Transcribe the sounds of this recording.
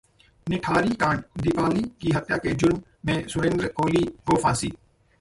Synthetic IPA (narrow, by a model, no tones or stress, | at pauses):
nɪʈʰaːɾiːkãːɳd̪ɪpaːliːkiːɦət̪jaːkeːd͡ʒʊn | mẽːsʊʋẽːnd̪əɾəkoːliːkoːfʰaːsiː